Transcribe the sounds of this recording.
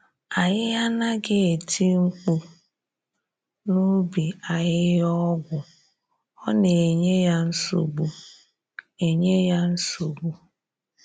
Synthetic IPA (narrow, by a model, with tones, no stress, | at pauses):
a˨ɲɪ˦ja˦na˦ɡɪ˦e˨tʰi˦ŋ͡m̩˦k͡pu˦ | nu˦bi˨a˨jɪ˦jɔ˦ɡʷʊ˨ | ɔ˦ne˨e˨ɲe˦ja˦n̩˦so̰˨ɡ͡bu˨ | e˨ɲe˦ja˦n̩˦so˨ɡ͡bu˦